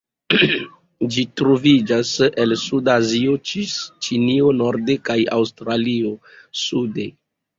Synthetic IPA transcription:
d͡ʒitɾovid͡ʒase̞lsudaziot͡ʃinio̞no̞ɾde̞kaja̰wstɾalio̞ | sude̞

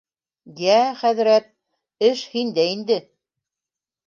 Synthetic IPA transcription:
jæχæðɘ̆ɾæt̪̚ | ɘʃhind̪æind̪ɘ

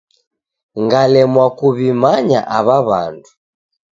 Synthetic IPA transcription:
ŋɡalɛmwakuβimaɲa̰ʔaβaβa̰ndu

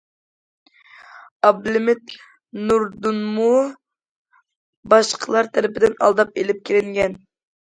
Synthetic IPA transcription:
ɑblɪmɪt̪ | nuɾd̪unmu | bɑʃqʰəlˠɑɾt̪ʰæɾɪpɪd̪ɪnɑ̰lˠd̪ɑpelɪp̚kʲʰeɾɪŋɡʲɛn

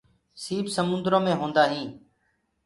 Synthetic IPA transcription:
siːbsəmʊ̃nd̪ɾõːmẽːɦõːnd̪aːɦĩː

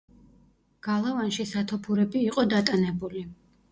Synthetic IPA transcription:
ɡ̥alˠavanʃisat̪ʰɔpʰuɾɛbiːqʼɔd̪at̪ʼanɛbuli

